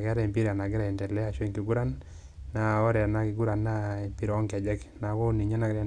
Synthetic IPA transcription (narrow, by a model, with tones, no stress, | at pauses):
ɡa˦ɾa˦i˨mpi˦ɾa˨na˨ɡɪ˦ɾa˨ɛ˨ntɛ˨lɛ˦a˨t͡ʃwe˦ŋki˨ɡu˦ɾa˦nː | a˨ɔ˦ɾɛ˨a˨na˦kɪ˨ɡu˦ɾa˨nːa˦e˨mpi˦ɾɔ˦ŋkɛ˨d͡ʒɛ˦kna˨kɔ˦ni˨ɲa˦na˨ɡɾa˨